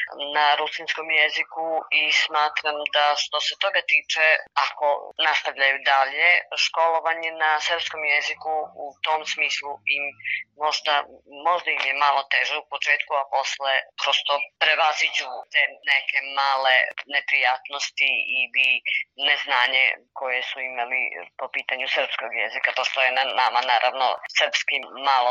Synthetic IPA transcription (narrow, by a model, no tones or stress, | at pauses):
naɾusinsko̞mjezikuismaːt̪ɾamd̪aʃt̪o̞se̞t̪o̞ɡat̪iːt͡ʃeako̞̰nast̪aʋʎajud̪alje̞ʃko̞lo̞ʋaɲenasɾ̩psko̞mjezikuut̪o̞msmiːslˠuimːo̞ʒd̪amo̞ʒd̪aimjemalˠo̞t̪eʒeupo̞t͡ʃeːt̪kuapo̞slepɾost̪o̞pɾe̞ʋazid͡ʑut̪eneke̞maːlene̞pɾijaːt̪no̞st̪iilineznaːɲḛko̞je̞suimalḭpo̞piːt̪aɲusr̩pskoɡjezikapost̪ojenanamanaːɾʔa̰ʋno̰sərɾpskimaːlˠo